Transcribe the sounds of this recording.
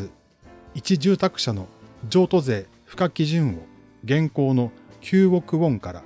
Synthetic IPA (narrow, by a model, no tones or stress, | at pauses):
ɨ | it͡ɕiʑɨːt̪akɯ̟̥ɕano̞d͡ʑo̞ːt̪o̞ze̞ː | ɸɯ̟̥kakʲiʑɨ̃ɰ̃o̞ | ɡẽ̞ŋko̞ːno̞kʲʰɨːo̞kɯ̟õ̞ŋkaɾa̰